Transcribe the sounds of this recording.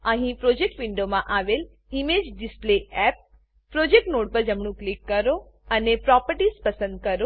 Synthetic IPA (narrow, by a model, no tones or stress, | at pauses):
ãɦĩpɾod͡ʒek̚ʈʋɪɳɖomãʔaːʋel | imed͡ʒɖɪspleɛp̚ | pɾod͡ʒek̚ʈnoːʈ̚pəɾd͡ʒəmɳ̃ũklikːəɾo | ənepɾɔpəɾʈispəsə̃nd̪̚kəɾo